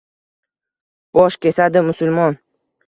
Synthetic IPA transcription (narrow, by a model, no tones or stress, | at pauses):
b̥ɒʃkʲe̞sad̪ɪmʊsʊlˠmɒn